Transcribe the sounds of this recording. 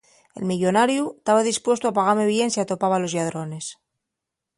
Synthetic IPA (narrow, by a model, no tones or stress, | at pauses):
e̞̰lmiʎo̞naɾjuet̪aβaðispwe̞st̪oapaɣaɾme̞βje̞nsiat̪o̞paβalo̞zʝað̞ɾo̞ne̞s